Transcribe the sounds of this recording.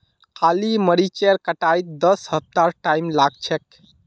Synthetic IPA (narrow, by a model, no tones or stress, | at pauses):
kʰaliməɾit͡ʃeɾkəʈajt̪̚d̪əsɦəp̚t̪aɾʈajmlaɡ̚t͡ʃʰɛk̚